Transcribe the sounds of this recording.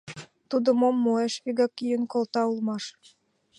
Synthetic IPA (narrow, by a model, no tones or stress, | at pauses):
t̪ud̪ə̆momːoeʃβiɡɑkːijə̆nkolt̪ɑulmɑʃ